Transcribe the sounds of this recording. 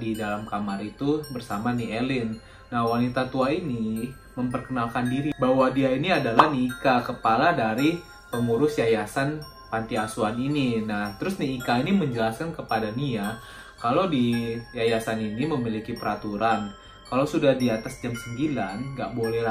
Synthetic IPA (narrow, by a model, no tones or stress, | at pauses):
didalamkamarit̪ubərsamanielɪnː | ahwanit̪at̪uaini | məmpərkənalkandiɾibawadiainiadalahniːkakəpaladaɾi | pəŋuɾʊsjajasan | pant̪iasuanininaht̪əɾʊsniːkainiməɲd͡ʒəlaskankəpadania | kalowdijajasaniniməmilikipəɾat̪uɾan | kalasudahdiat̪asd͡ʒamsəmbilanɡaʔbolɛ